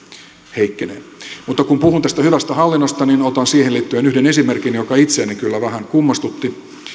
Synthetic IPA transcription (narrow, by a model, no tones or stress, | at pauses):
heikːenḛmut̪ːɑkumpuhunt̪æst̪æhyʋæst̪æhɑlːinːost̪ɑninot̪ɑnsiːheliːt̪ːyenyhdenesimerkinjokɑit̪seænekylːæʋæɦæŋkumːɑst̪ut̪ːi